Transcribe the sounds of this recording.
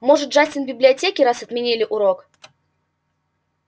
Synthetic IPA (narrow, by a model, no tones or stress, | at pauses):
moʐɨt̪ʐasʲɪnbʲɪblʲɪɐtʲekʲɪɾasɐt̪mʲɪnʲilʲɪʔuɾok